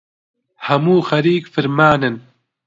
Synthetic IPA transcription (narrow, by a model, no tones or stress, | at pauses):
hɐmuːxɐɾiːkfɨɾmaːnɨn